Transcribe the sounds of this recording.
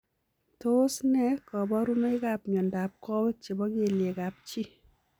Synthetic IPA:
to˦snɛ˦kɔ˨bɔ˦ɾu˦no˦i˦kapɲɔ˨nda˨p̚kɔ˦bt͡ʃe˨bɔ˦ke˨lje˨ka˨p̚t͡ʃi˦

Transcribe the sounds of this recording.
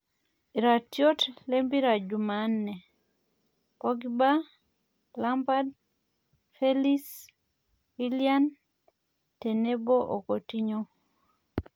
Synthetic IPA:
i˨ɾa˨tjo˦tle˦mbi˦ɾa˨d͡ʒu˨ma˨nːɛ˨ | pɔɡiba˦ | la˦mba˦d̚ | fe˦li˦s | wi˦lia˦n | te˨ne˦bo˦ʔo̰˨ko˨ti˦ɲo˦

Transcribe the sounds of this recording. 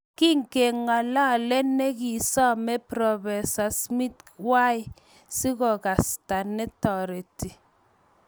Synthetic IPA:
ki˦ŋ˨ke˨ŋa˨la˦˨lɛ˦nɛ˦ki˨sɔ˦mɛ˦pɾɔ˨bɛ˨sa˨smi˦twa˦j | si˦kɔ˨ka˨sta˨nɛ˦tɔ˨ɾe˨ti˨

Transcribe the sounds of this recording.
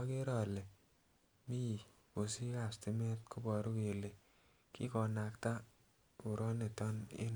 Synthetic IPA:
ke˦ɾɔ˨le˨ | mi˦˨ | ko˨si˦a˨sti˦me˦t̚kʰo˦bɔ˨ɾu˦ke˨le˨ | kḭ˦kɔ˨na˨kta˦ | o˨ɾɔ˦ne˨tɔ˦nḛ˦n

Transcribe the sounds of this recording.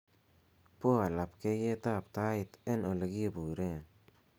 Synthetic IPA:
po˦a˨la˨pke˦je˦ta˦˨p̚ta˦ɪ˨te˦no˨le˨ɡi˦e˦bu˨ɾe˦

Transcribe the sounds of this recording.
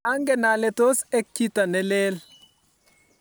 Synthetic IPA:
a˦ŋɡɛ˨na˨lɛ˨to˦sɛ˦k̚t͡ʃi˦ta˨nɛ˨le˦l

